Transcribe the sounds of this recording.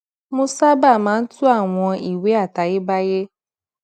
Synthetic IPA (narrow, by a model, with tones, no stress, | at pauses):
mũ˦sa˦ba˦˨mãː˨˦n̩˦tʰʊ˦a˦˨w̃ɔ̃˧i˨we˦a˦˨ta˨je˦ba˦je˦